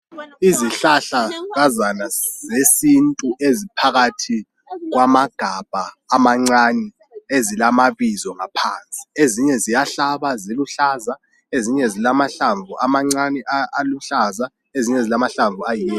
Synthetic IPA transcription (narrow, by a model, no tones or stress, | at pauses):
iziɬaɬaɣazanaz̥esintʼuʔezipʰaɣatʰi | ɣ̬wamaɡ̥ʱab̥ʱaː | maŋ͡ǀanɛ | ezilamaβizɔŋapʰant͡sʼi̥eziɲɛzijaɬaβaziluɬaza | eziɲɛzilamaɬaɱvuʔamaŋ͡ǀanɛʔaaluɬaza | eziɲɛzilamaɬaɱvuajijɛ